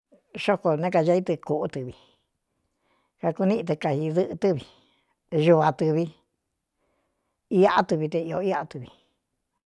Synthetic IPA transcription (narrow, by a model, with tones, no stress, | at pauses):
ʃo˦ko˧nẽ˦ka˧a˧˦i˦t̪ɨ˧ku˧˨ʔu˦t̪ɨ˨˧βi˧ | ka˧ku˧nĩ˦ʔĩ˧t̪e˧ka˧hi˧ðɨ˦ʔɨ˧t̪ɨ˦βi˧ | ʒu˧βa˧t̪ɨ˧βi˧ | i˧a˦ʔa˦t̪ɨ˧βi˧t̪e˧i˧o̰˧i˦a˦˧t̪ɨ˧βi˨˧